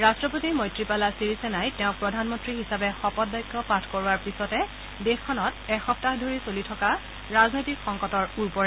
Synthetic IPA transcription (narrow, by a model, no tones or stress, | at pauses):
ɹastɹɔpotiɹmɔjtɹipalasiɹisɛnajtɛʊ̃k̚pɹɔdʱanmɔntɹiɦisabɛxɔpɔt̚bajɡɔpatʰkoɹʊaɹpisɔtɛ | dexkʰːɔnɔtɛxɔp̚taxdʱoɹisolitʰɔka | ɹaznojtikxɔŋkɔtɔɹuɹpɔɹɛ